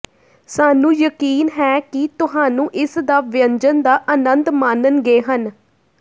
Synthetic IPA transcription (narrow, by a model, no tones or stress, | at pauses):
saːnũːjəkiːnɦɛːkɪt̪ʊɦaːnũːʔɪsd̪aːʋɪəɲd͡ʒənd̪aːʔənənd̪maːnənɡeːɦən